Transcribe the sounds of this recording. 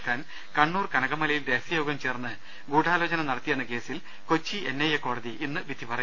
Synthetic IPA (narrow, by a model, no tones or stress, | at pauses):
kːaːn | kɐɳːuːrkɐnɐɣɐmːɐlɐjild̪eːsɐjo̞ːɡɐmt͡ɕe̞ːrnːɨ | ɡuːɽaːlo̞ːt͡ɕɐnɐmnɐɽɐt̪ːijenːɐke̞ːsil | ko̞t͡ɕːienːejɐkːo̞ːɽɐðiʔinːɨʋid̪ʱipɐrɐ